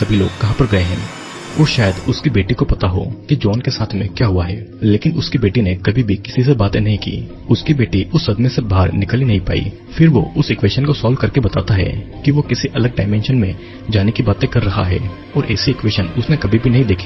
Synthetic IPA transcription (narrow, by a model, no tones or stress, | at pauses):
sɐbʱilo̰ːɡ̚kɐɦãpɐɾɡɐeɦɛ̰̃ː | ʋoːʃaːjəd̪ʊskibeːʈikopɐt̪aɦo̰ːkid͡ʒɔːnkesaːt̪ʰmẽkjaːɦʊaɦɛ̰ːleːkɪnʊskibeːʈinekɐbʱibʱikɪsis̬ebaːt̪ẽnɐɦĩkḭː | ʊskibeːʈiʊsːɐd̪mẽsebaːɾnɪklinɐɦĩpa̰ːḭ | fʰɪɾʋo̰ʔʊsɪkwʋeːʃənkosɔːlkɐɾkebɐt̪a̰ːt̪aɦɛ̰kiʋokɪsiʔɐləɡ̚ɖaːɪmɛ̃ːnʃənmẽ | d͡ʒaːnekibaːt̪ẽkɐɾːɐɦa̰ɦɛ̰ː | ɔːɾʔɛːsiɪkʋeːʃənʊsnekɐbʱibʱinɐɦĩd̪eːkʰi̥ː